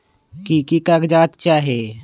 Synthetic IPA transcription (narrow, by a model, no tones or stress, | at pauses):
kikikaɡd͡ʒaːt̪t͡ʃaːɦe